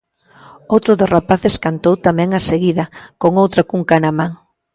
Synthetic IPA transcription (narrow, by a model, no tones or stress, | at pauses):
owt̪ɾʊðorapaθeskant̪owt̪amɛ̃ŋaseɣiðɐkoŋowt̪ɾakuŋkanamãŋ